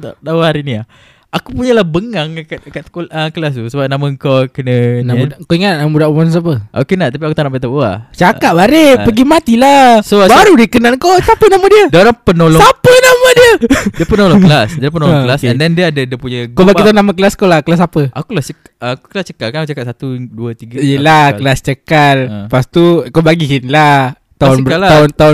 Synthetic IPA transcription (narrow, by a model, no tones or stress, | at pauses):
t̪adawəhaɾinia | akupuɲəlahbəŋaŋkt̪̚kat̪koləkəlas̬t̪usəbap̚naməŋkokənənauaʔkoiŋat̪̚namudaʔumans̬ap̬əʔo̰kenaʔt̪ap̬iakut̪anaʔpat̪aa̰t͡ʃakaʔ̚baɾepəɡimat̪ilasobaɾudikənalkosapənamədiədaoɾaŋpənolɔsapənamədiəiəpənolɔklasdaɾapənolɔŋklasɛndɛndiəadədəpuɲaɡkobaɡit̪aʊnamək̬əlaskolahkəlas̬apəakulat͡ʃəkː | ku̥kəlast͡ʃəkalkanakut͡ʃakatʔ̚sat̪uduət̪iɡəjəlakəlast͡ʃəkalpast̪ukobaɡiɦinla | t̪aʊnbalaant̪aʊ